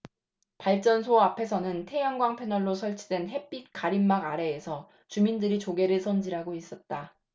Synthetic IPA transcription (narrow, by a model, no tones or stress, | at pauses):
paɭt͡ɕ͈ʌnsʰoapʰe̞sʰʌnɯntʰe̞jʌŋɡwaŋpʰe̞nʌɭːosʰʌɭt͡ɕʰidwe̞nɦe̞p͈ik͈aɾimːaɡaɾe̞ːsʰʌ | t͡ɕumindɯɾit͡ɕoɡe̞ɾɯɭsʰʌnd͡ʑiɾɦaɡois͈ʌt̚t͈a